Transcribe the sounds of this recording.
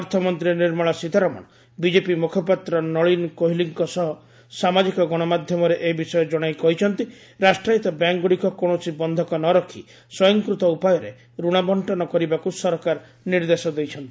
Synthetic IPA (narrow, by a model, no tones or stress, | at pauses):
ɔɾt̪ʰɔmɔnt̪ɾiniɾmɔɭɔsit̪aɾɔmɔ̰ɽ̃ɔ | bid͡ʒepimukʰɔpat̪ɾɔnɔɭinkoɦiliŋkɔsɔɦɔ | samad͡ʒikɔɡɔɽ̃ɔmad̪ʱjɔmɔɾeʔebisɔjɔd͡ʒɔɽ̃ajkɔɦit͡ʃʰɔnt̪i | ɾasʈɾajit̪ɔbjaŋɡoɽikɔkoɽ̃ɔt͡ʃʰibɔnd̪ʱɔkɔnɔɾɔkʰḭ | sɔjɔŋkɾut̪ɔupajɔɾe | ɾuɽ̃abɔɳʈɔnɔkɔɾibakusɔɾkaɾ | niɾd̪esɔd̪ejt͡ʃʰɔnt̪i̥